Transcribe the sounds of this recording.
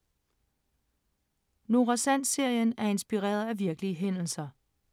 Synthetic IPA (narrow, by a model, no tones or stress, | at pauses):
no̝ʁasæn̰se̝ɐ̰jənæɐe̝nsb̥iʁḛːɐð̞ˠæʋiɐɡ̥əliəɦen̰l̩sɐ